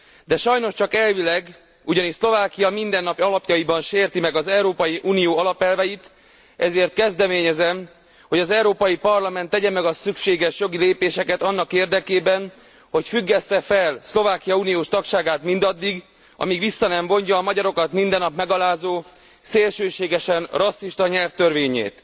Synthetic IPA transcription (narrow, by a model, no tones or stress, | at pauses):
d̪ɛʃɒjno̞ʃt͡ʃɒkɛlvilɛɡ | uɟɒniʃslo̞vaːkijɒmind̪ɛnːɒpɒlɒpjɒjibɒnʃeːrt̪imɛɡɒzɛwɾoːpɒjiʔuːnijoːɒlɒpɛlvɛjit̪ | ɛzeːrt̪̚kɛzd̪ɛmeːɲɛzɛm | ho̞ɟɒzɛuɾoːpɒjipɒrlɒmɛnt̪ːɛɟɛmɛɡɒsykʃeːɡɛʃjo̞ɡileːpeːʃɛkɛt̪ɒnːɒkeːrd̪ɛkeːbɛn | ho̞cfyɡːɛsːɛfɛlslo̞vaːkijɒuːnijoːʃt̪ɒkʃaːɡaːt̪mind̪ɒd̪ːiɡ | ɒ̰miɡʋisːɒnɛɱvo̞ɲɟɒːmɒɟɒɾo̞kɒt̪mind̪ɛnːɒpmɛɡɒlaːzoː | seːlʃøːʃeːɡɛʃɛnrɒsːiʃt̪ɒɲɛrt̪ːørveːɲḛːt̪